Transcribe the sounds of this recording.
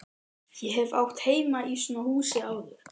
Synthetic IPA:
jɛɦɛvawht̪heːjmaisɔnahuːsɪaːwðʏɾ̥

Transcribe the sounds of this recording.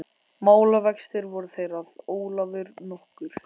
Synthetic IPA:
maːwlavɛkst̪ɪɾvɔɾʏθejɾaðoːwlavʏɾnɔhkʏɾ̥

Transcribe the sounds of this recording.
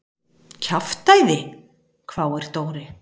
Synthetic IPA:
cʰaft̪aːjðɪ | kʰvaːwɛɾ̥t̪oːwɾɪ

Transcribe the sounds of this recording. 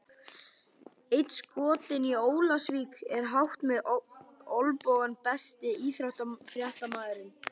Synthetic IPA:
ejt̪skɔːt̪ɪnioːwlasviːkɛɾ̥ɦawht̪mɛð | olpoːwɣanpɛst̪ɪiːθɾawht̪fɾjaht̪amaːðɪɾɪm

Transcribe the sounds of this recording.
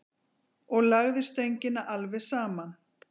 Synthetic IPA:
ɔɣlaɣðɪst̪ejɲcɪnaʔalvɛsaːman

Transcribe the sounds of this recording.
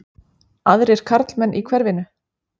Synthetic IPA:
aðɾɪɾ̥kʰaɾt̪lmɛnːʔikʰvɛɾvɪnʏ

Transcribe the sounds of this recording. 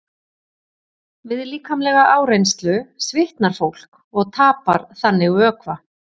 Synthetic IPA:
vɪðliːkʰamlɛɣaʔaːwɾejnst̪lʏsvɪht̪naɾ̥fowl̥k | ɔɣt̪ʰaːpaɾ̥θanːɪɣœːkva

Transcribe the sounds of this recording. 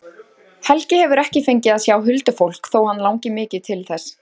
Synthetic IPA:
hɛlcɪhɛvʏɾɛhcɪfejɲcɪðaðsjawɦʏlt̪ʏfowl̥kθowhanːlawŋcɪmɪːcɪt̪ʰɪlθɛs

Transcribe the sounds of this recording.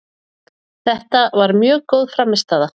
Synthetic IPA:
θɛht̪avaɾmjœːɣkowðfɾamːɪst̪aːða

